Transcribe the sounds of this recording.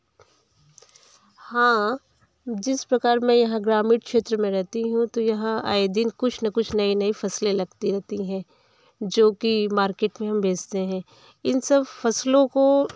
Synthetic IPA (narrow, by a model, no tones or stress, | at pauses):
hãː | d͡ʒɪspɾɐkaːɾmɛ̃jɐɦãɡɾaːmiɖkʃeːt̪ɾəmẽɾɛɦt̪iɦũt̪ojɐɦãa̰ːed̪inkʊt͡ʃʰnɐkʊt͡ʃʰnɐinɐifɐslẽlɐɡt̪iɾɛɦt̪iɦɛ̃ː | d͡ʒoːkimaːɾkeːʈmẽɦɐ̃mbʱeːd͡ʒt̪eɦɛ̃ː | ɪnsɐbfɐslõko